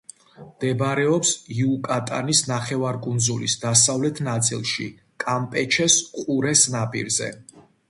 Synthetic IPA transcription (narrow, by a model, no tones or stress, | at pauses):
md̪ɛbɾɛɔpsiukʼat̪ʼa̰nisnaχɛvaɾkʼund̪zulḭsd̪asavlɛt̪ʰnat̪sʼḭlˠʃi | kʼampʼɛt͡ʃʰɛsqʼuɾɛsnapʼḭɾzɛ̰